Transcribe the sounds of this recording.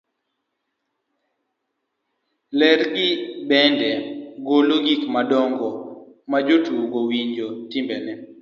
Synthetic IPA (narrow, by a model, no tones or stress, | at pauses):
lɛɾɡɪbɛndɛɡoloɡikmadɔŋɡɔ | mad͡ʒotuɡowiɲd͡ʒotɪmbɛnɛ